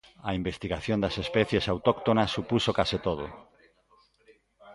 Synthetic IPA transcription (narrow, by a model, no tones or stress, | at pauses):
ɐimbest̪iɣaθjond̪ɐsespɛθjesawt̪okt̪onasːupusokasit̪oð̞o̰